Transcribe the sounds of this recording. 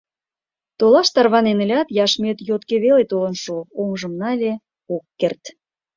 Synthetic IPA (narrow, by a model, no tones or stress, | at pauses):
t̪olɑʃt̪ɑrβɑnenə̆lʲɑt̪jɑʃmøt̪jot̪keβelet̪olə̆nʃoomʒə̆mnɑlʲe | okːert̪